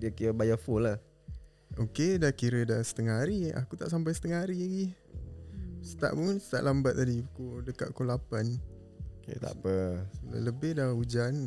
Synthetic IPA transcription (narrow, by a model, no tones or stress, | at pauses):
diəkiɾəbajafolah | okedahkiɾədasə̥t̪əŋaɦaɾia̰kut̪a̰ʔsamp̬ajsə̥t̪əŋaɦaɾiaɡi | sə̥t̪a̰ʔmunsə̥t̪a̰ʔlambat̪̚t̪ːadikodəka̰ʔ̪̚kolapan | okḛt̪a̰pələbɪdaud͡ʒan